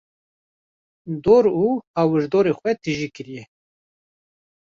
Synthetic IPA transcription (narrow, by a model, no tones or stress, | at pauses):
d̪oːɾuːhawɨʒd̪oːɾexʷɛt̪ɨʒiːkɨɾijɛ